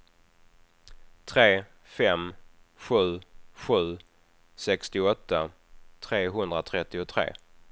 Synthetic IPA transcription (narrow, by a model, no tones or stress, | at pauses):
t̪ʰɾeː | fɛm | ɧʉ̟ːɧʉ̟ː | sɛkst̪ɪɔt̪ːa | t̪ʰɾeːɦɵnd̪ɾat̪ʰɾɛt̪ːɪʊt̪ʰɾḛː